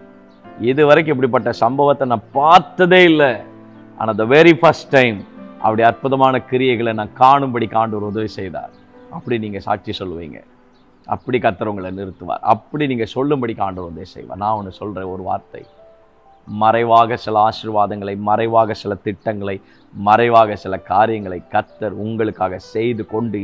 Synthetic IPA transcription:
ɪðɯʋɐɾɐk̬ːɯɛpːɐɽip̬ːɐʈːɐsɐmbɐʋɐt̪ːɐnãːpaːɾt̪ːɐðeːɪlːɐ | ʔa̰nɐd̪ɐʋɛɾifɐsʈːɐɪmʔɐ̰pːɐɽiɐɾpɯðɐmaːnɐkɪɾɪjɐɪɣɐɭɛnãːkaːɳɯmbɐɽikaːɳɖɯʋɾʊðɐʋisɛjða̰ːɾ | ɐpːɐɽiniːŋɡɐsa̰ːʈ̚t͡ʃisɔlːɯʋḭːŋɡɐ̰ | ʔɐ̰pːɐɽikɐt̪ːɐɾʊŋɡɐɭɐnɪɾɯt̪ːɯʋa̰ːɾɐ̰pːɐɽiniːŋɡɐsɔlːɯmbɐɽikaːɳɖɯɾʊðɐʋisɛ̰jʋa̰ːnãːɔnːɯsɔlreːɔɾɯʋa̰ːɾt̪ɐ̰ɪ | mɐɾɐɪʋaːɣɐsɪlɐaːʂɪɾʋaːðɐŋɡɐɭɐɪmɐɾɐɪʋaːɣɐsɪlɐt̪ɪʈːɐŋɡɐɭɐɪ | mɐɾɐɪʋaːɣɐsɪlɐkaːɾɪjɐŋɡɐɭɐɪkːɐt̪ːɐɾʊŋɡɐɭɯkːaːɣɐsɛjðɯkɔɳɖɯ

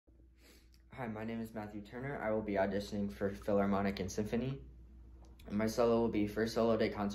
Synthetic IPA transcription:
haɪmaɪnẽɪ̃mɨzmæθjʉtʰɜ̃˞nə˞ʔa̰ɪwəlˠbiədɪʃɨnɪ̃ŋfə˞fɪlˠə˞mɑñɨkɨ̃nsɪ̃ɱfɨni | ɨ̃nmaɪsɛlˠoʊwəlˠbifə˞soʊlˠoʊdeɪkʰɑ̃ns

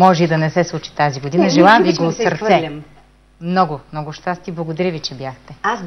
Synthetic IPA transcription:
mɔʒɛid̪ɐnɛsɛslˠut͡ʃi̥t̪aziɡod̪inɐʒɛlˠamviɡɡoːt̪sɐɾt̪ɛm | mnɔɡʊmnɔɡʊʃt̪ast̪iblˠɐɡod̪ɾivit͡ʃɛbjaxt̪ɛ

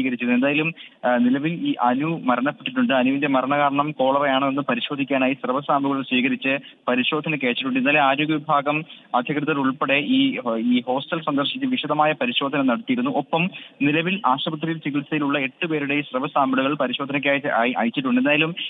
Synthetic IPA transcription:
iːɣɐɾit͡ɕːɐðe̞nd̪aːjɐlumnilɐʋiliːʔɐnumɐɾɐɳɐpːeʈːiʈ̬ːuɳɖɨɐnuʋinde̞mɐɾɐɳɐɣaːɾɐɳɐmko̞ːɭɐrejaːɳɨenːɨpɐɾiɕo̞ːd̪ʱikʲːaːnaːjisrɐʋɐsaːmbuɣɐɭlsʋiːɣɐɾit͡ɕːɨpɐɾiɕo̞ːd̪ʱɐnɐkʲːeːt͡ɕːiʈːuɳɖɨinːaːleaːɾoːɡɐʋibʱaːɡɐmɐd̪ʱjɐkrɨðɐɾuɭpeɽe̞ʔiːiːho̞ːsʈɐlsɐnd̪ɐrɕit͡ɕːɨʋiɕɐðɐmaːjɐpɐɾiɕo̞ːd̪ʱɐnɐmnɐɽɐt̪ːijiɾunːuʔopːɐmnilɐʋilʔaːɕɐbɐt̪̬rijilt͡ɕikilsɐjiluɭːɐe̞ʈːɨpe̞ːɾuɽe̞isrɐʋɐsaːmbɐɽuɣɐɭpɐɾiɕo̞ːd̪ʱɐnɐkʲːaːiʔa̰ːjt͡ɕːiʈ̬ːuɳɖɨendaːjɐlum

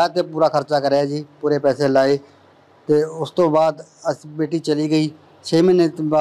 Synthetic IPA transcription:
t̪eːpuːɾaːkʰəɾt͡ʃaːkəɾeaːd͡ʒiːpuːɾeːpɛːseːlaːeː | t̪eːʊst̪õːbaːd̪əsbeːʈiːt͡ʃəliːɡəiː | t͡ʃʰeːmɪnt̪a

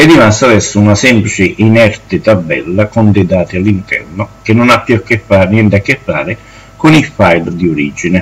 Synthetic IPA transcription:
ɛdːimast̪ad̪ɛsːʊunasɛmplit͡ʃɪʔinɛɾt̪ɪt̪abːɛ̰lːakʊnd̪ed̪aːt̪ɪalːint̪ɛ̰rnʊk̟ɪnːʊnapːjukːɪfːanjɛnt̪akːɪfːaːɾɪ | kʊnilfajld̪iʊɾiːd͡ʒinɪ

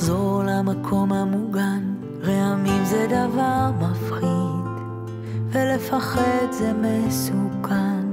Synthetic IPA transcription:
zoʁlamakʰo̞mhamuɡan | ʁehamimzɛd̪avaʁmafχid | vele̞faχed̪zemesukʰan

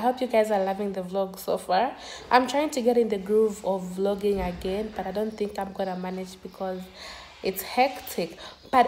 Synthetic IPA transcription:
ɦɛlˠpjɨɡaɪzə˞lʌvɪ̃ŋðəvlɔɡsofaɹ | ʔã̰ɪ̃mtʰɹ̥aɪɪ̃ŋtʰɨɡɛɾɨ̃nðɨɡɹuvɔvlɔɡɪ̃ŋəɡɛ̃nbʌɾaɪdõʊ̃nθɪ̃ŋkãɪ̃mɡɔnəmænɪd͡ʒbɨkʰɔz | ʔɪtshɛktʰɪkb̥ʌt

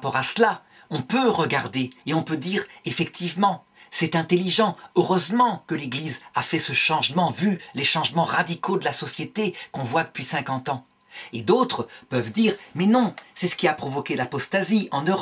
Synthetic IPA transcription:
pɔʁasla | ɔ̃pøʁəɡaʁd̪eːɔ̃pød̪iʁefɛkt̪ʰivmɑ̃ | sɛt̪ɛ̃t̪eliʒɑ̃øʁøzmɑ̃kəleɡlizafɛsəʃɑ̃ʒmɑ̃vyleʃɑ̃ʒmɑ̃ʁad̪ikʰod̪əlasɔsjet̪ekɔ̃vwad̪əpɥisɛ̃kɑ̃t̪ɑ̃ | ed̪ot̪χəpœvd̪iːʁmɛnɔ̃sɛsə̥kʲiapχɔvɔkʲedlapɔst̪aziɑ̃nøʁɔ

